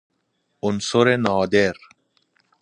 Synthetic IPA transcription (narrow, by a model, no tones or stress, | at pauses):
ʊnsoɾenɑːd̪eɾ